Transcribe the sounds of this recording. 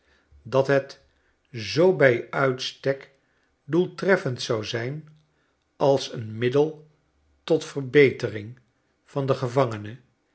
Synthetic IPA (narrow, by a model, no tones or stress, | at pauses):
dɑtɦɛt | zowbɛjœɥtstɛk | dulˠtrɛfəntsɑwzɛjn | ɑlˠsənmɪdəlˠ | tɔtfərbejtərɪŋ | v̥ɑndəχəvɑŋənə